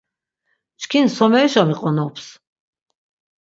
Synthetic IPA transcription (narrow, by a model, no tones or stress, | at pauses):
t͡ʃkʰinsɔmɛiʃɔmiqʼɔnɔpʰs